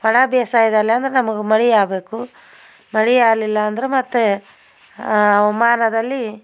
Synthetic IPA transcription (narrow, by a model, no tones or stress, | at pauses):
pɐɳabjeːsaːjid̪aːlːeɐnd̪ɐɾenɐmɐɡemɐɭijaːbe̞ːku | mɐɽijaːlilːɐːnd̪ɐɾemɐt̪ːe | ɐʋɐmaːnɐd̪ɐlːi